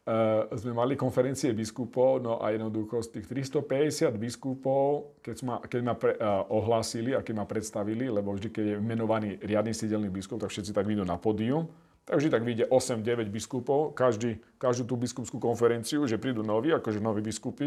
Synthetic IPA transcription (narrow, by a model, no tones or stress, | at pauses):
zmɛmalikɔnfɛɾɛnt͡siɛbiskupɔʊnɔʔa̰jɛd̪nɔd̪uxɔst̪iːxt̪ɾist̪ɔpɛɟɛsɪad̪biskupɔʊkɛzmakɛɟmapɛʔɔɦlaːsiliakɛɟmapɾɛt̪st̪aʋililɛbɔvʒd̪ikɛɟjɛʋimɛnɔʋaniːɾɪad̪nisiɟɛlnibiskup̚t̪akfʃɛt̪t͡sit̪aɡʋiːd̪unapɔːd̪ium | t̪aɡvʒd̪it̪aɡʋiɟɛʔɔsɛmɟɛʋɛɟbiskupɔʊkaʒd̪iːkaʒd̪uːt̪̬ubiskupskuːkɔnfɛɾɛnt͡siuʒɛpɾiːd̪unɔʋiːakɔʒɛnɔʋibiskupi